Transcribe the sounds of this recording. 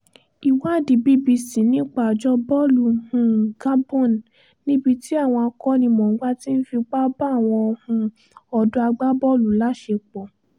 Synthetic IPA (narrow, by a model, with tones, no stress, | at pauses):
i˨wa˦˨di˨bi˦bi˧si˨˦nĩ˦k͡pa˦˨d͡ʒɔ˦bɔ˦lu˨hũ˧ɡa˦bɔ̃˦˨n˨ | nĩ˦bi˧ti˦a˦˨w̃ɔ̃˧a˧kɔ˦nĩ˧mɔ̃˨˦ɡ͡ba˦ti˦n̩˦fi˧k͡pa˦ba˦˨w̃ɔ̃˧ɔ˧hũ˧ | ɔ˧dũ˦a˧ɡ͡ba˦bɔ˦˨lu˨la˨˦ʃe˧k͡pɔ˨